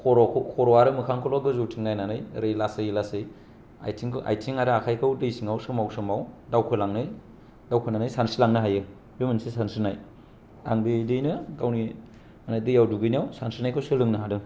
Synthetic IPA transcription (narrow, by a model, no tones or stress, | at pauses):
kʰɔɾɔkʰkʰɔɾɔwaɾɯmɯkʰaŋkʰɯlɔɡɯzowtʰiŋnajnanɯjɾɯjlasɯjlasɯj | a̰jtʰiŋkʔa̰jtʰiŋaɾɯakʰajkʰɯwdɯjsiŋawsɯmawsɯmawdawkʰɯlaŋnɯj | d̥awkʰɯnanɯjsansilaŋnɯɦajɯ | bemɯnsisansɯnaj | a̰ŋbedɯjnɯɡawni | anadɯjawduɡɯjnijawsansinajkʰɯwsɯlɯŋnɯɦadɯ